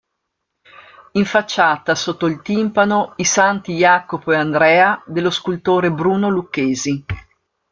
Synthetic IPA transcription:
iɱfat͡ʃːaːt̪asot̪ːoilt̪impanoisant̪ijaːkopoeand̪ɾɛːad̪elːoskult̪oːɾebɾuːnolukːeːzi

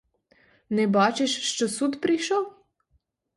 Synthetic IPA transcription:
nɛbaːt͡ʃɛʃʃt͡ʃɐsut̪pɾiʃɐw

